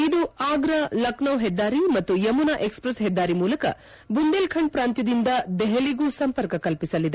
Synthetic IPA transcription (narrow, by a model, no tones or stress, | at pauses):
id̪uaːɡɾɐlɐknɐwɦɛd̪ːaːɾimɐt̪ːujɐmunaʔekspɾɐsɦɛd̪ːaːɾimuːlɐkɐ | bund̪eːlkʰɐɳpɾaːnt̪jɐd̪ind̪ɐd̪ɛɦɐliɡuːsɐmpɐɾkɐkɐlpisɐlːid̪e